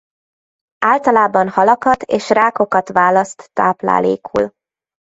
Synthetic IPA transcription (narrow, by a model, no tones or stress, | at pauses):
aːlt̪ɒlaːbɒnhɒlɒkɒt̪eːʃraːko̞kɒt̪ʋaːlɒst̪ːaːpla̰ːlḛːkʰṵl